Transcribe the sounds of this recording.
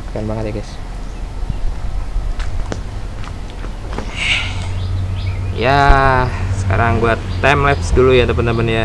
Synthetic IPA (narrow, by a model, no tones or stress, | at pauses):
kanbaŋət̪jaɡɛs | ja | sə̥ka̰ɾaŋbuat̪ːamlɛpsdulujat̪apənd̪amənja